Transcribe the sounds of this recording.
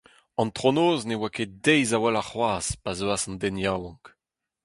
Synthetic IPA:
ɑ̃nt̪ʁonoːznewaked̪ɛjzawalaχwaːspazøasɑ̃nd̪ɛnjawɔ̃ŋk

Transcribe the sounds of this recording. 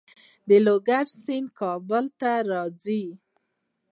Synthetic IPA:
d̪əloɡaɾsinkʰɑbʊlt̪aɾɑd͡zi

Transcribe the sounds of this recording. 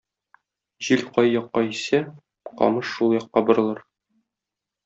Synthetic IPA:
ʑilqɒjːɒqːɑisæ | qɒ̰mɤʃːulˠjɒqːɑbŏɾɤ̆lˠɤɾ

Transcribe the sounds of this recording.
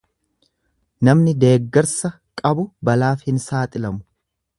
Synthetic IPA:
nɐmnɪd̪e̞ːɡːɛɾsɐ | kʼɐbʊbɐlaːfhɪnsaːt̪ʼɪlɐmʊ̥

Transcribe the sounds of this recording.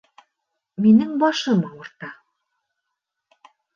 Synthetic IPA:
minɘŋbɑʃɤmɤŭɾt̪ɑ

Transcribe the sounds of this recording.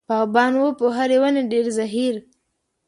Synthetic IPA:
paɣbɑnwəpoɦaɾewaneɖeɾzaɦiɾ

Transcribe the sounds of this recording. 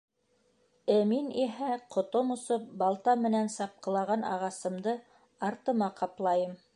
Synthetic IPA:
æminiɦæqŏt̪omusop̚bɑlˠt̪ɑmɘ̆nænsɑp̚qɤ̆lˠɑʁɑnʔɑ̰ʁɑsɤ̆md̪ɤ | ɑɾt̪ɤ̆mɑqɑplˠɑjɤm

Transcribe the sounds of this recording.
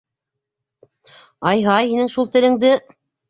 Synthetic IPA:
ɑjɦɑjhinɘŋʃulˠt̪ɘ̆lɘ̆ŋd̪ɘ

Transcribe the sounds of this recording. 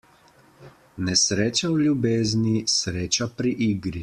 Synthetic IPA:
nɛsɾeːt͡ʃawljubeːznisɾeːt͡ʃapɾiʔiːɡɾi

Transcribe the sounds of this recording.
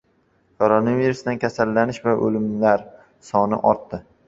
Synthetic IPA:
kʰoɾonaviɾusd̪ankʲʰasalːanɪʃvaʔɵ̰lɪmlaɾ | sɒnɪ̰ʔɒɾt̪ːɪ

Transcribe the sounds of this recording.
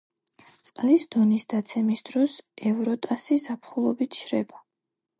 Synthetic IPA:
t̪sʼqʼlisd̪ɔnisd̪at̪sʰɛmisd̪ɾɔsɛvɾɔt̪ʼasizapʰχulˠɔbit̪ʰʃɾɛba

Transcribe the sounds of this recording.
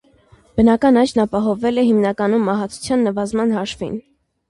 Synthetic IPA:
b̥ənɑkɑnɑt͡ʃʰnɑpɑɦɔvɛlɛɦimnɑkɑnumːɑɦɑt͡sʰu̥t͡sʰjɑnːəvɑzmɑnhɑʃvḭn

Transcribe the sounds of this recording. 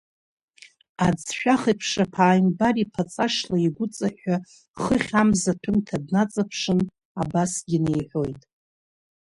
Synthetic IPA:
ad͡zʃᶣaχipʰʂapʰaːjmbaɾipʰat͡sʼaʂlaiɡʷʊt͡sʼaħᶣa | χəχʲamzatʷʰʊmtʰadnat͡sʼapʰʂɨn | abasɡʲinejħʷo̞jtʼ

